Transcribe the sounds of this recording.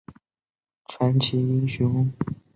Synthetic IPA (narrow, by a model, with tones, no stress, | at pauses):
ʈ͡ʂʰwa˧˥nt͡ɕʰi˧˥i˥ŋɕʊ˧˥ŋ˥ŋ